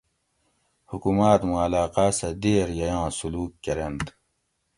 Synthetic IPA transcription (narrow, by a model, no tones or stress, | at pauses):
hukumaːt̪muɐlaːqaːsɐd̪eːɾjɐjɑ̃ːsuluːkːɐɾend̪